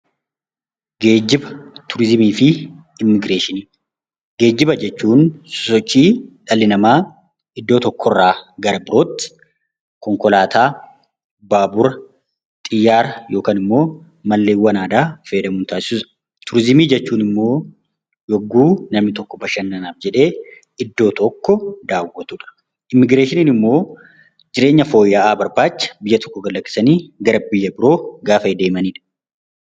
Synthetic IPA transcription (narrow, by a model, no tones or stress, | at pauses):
ɡe̞ːd͡ʒːɪbɐt̪ʰʊɾɪzɪmiːfɪ | ɪmːɪɡɾeːʃɪniː | ɡe̞ːd͡ʒːɪbɐd͡ʒɛt͡ʃːuːnssɔt͡ʃːiːᶑɐlɪnɐmaː | ɪd̪ːo̞ːt̪ɔkːɔrːaːɡɐɾɐbɪɾo̞ːt̪ːɪ̥ | kɔŋkɔlaːt̪ʰaː | baːbʊɾɐ | t̪ʼɪjːaːɾɐjo̞ːkaːnɪmːo̞ː | mɐlːeːwːɐnaːd̪aːfeːd̪ɐmuːnt̪aːsɪ̥sʊːsɐ̥ | t̪ʰʊɾɪzɪmiːd͡ʒɛt͡ʃːuːnɪmːo̞ː | jɔɡːuːnɐmnɪt̪ɔkːɔbɐʃɐnːɐnaːfd͡ʒɛᶑe̞ː | ɪd̪ːo̞ːt̪ɔkːɔd̪aːwːɔt̪uᶑɐ̥ | ʔɪmːɪɡɾeːʃɪniːnɪmːo̞ː | d͡ʒɪɾe̞ːɲːɐfo̞ːjːaʔaːbɐɾbaːt͡ʃːɐ̥bɪjːɐt̪ʰɔ̥kːɔɡɐlːɐkːɪ̥sɐniːɡɐɾɐbɪjːɐbɪɾo̞ːɡaːfɐd̪e̞ːmɐniːᶑɐ̥